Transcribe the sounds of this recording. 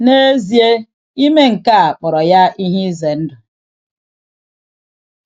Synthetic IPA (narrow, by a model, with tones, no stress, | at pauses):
ne˦zi˨e˦ | i˦me˦ŋ̩˨ka˦a˨k͡pɔ˨ɾɔ˨ja˦i˦ɦi˦ze˨n̩˦dʊ˨